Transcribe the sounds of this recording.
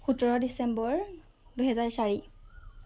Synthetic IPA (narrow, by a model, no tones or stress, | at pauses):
xutɔɹɔdisɛmbɔɹ | duɦɛzaɹsaɹi